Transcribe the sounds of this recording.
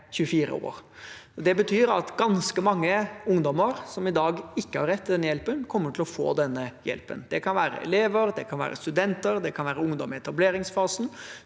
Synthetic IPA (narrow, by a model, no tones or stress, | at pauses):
çʉəfiːɾə̰o̰ːɾd̪ɛbət̪ʰyːɾɑt̪ɡɑnskəmɑŋːəʊŋd̪ɔməɾsɔmɪd̪ɑːɡɪkːəhɑɾːɛt̪ːɪd̪ɛnːəjɛlpənkʰɔmːəʈʰɪlɔfo̰ːd̪ɛnːəjɛ̰lpə̰nd̪̥ɛkʰɑnʋæːɾə̰ɛ̰leːʋəɾd̪ɛkʰɑnʋæ̰ːɾə̰st̪ʉd̪ɛnt̪əɾd̪ɛkʰɑnʋæːɾəʊŋd̪ɔmɪɛt̪ɑbleːɾɪŋsfɑːsn̩